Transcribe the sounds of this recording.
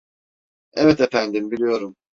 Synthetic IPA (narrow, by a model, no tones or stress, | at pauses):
evɛt̪efænd̪imbilʲijo̞ɾum